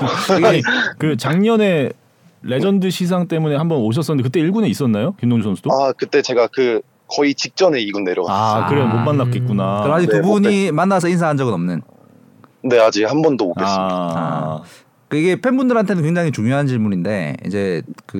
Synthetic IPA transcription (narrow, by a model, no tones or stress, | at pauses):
ɡkɯt͡ɕaŋɲʌne̞ | ɾe̞d͡ʑʌndɯɕʰis̬ʰaŋt͈e̞mune̞hambʌnoɕ̬ʰʌs͈ʌnɯndekɯt͈e̞iɭɡune̞is͈ʌnːajokimndoŋd͡ʑosʰʌnsʰud̥oakɯt͈e̞t͡ɕe̞ɡakɯ | kʌit͡ɕik̚t͡ɕ͈ʌne̞iɡunːe̞ɾjʌ̰ɡaakɯɾenmommanːak͈et̚k͈unaɯad͡ʑiktubuɲimanːasʰʌins̬ʰaɦand͡ʑʌɡɯnʌmnɯn | ne̞ad͡ʑihambʌndooeaa̰ | k͈aiɡe̞pʰenbundɯɾɦantʰe̞nɯnkwe̞ŋd͡ʑaŋit͡ɕuŋjoɦant͡ɕiɭmuɲinde̞̰ḭd͡ʑe̞kɯ